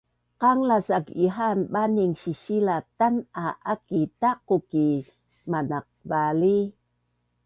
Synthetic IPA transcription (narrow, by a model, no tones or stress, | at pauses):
qaŋlasakiɦanɓaniŋsiɕilatanaʔakitaquki | manaq̚bali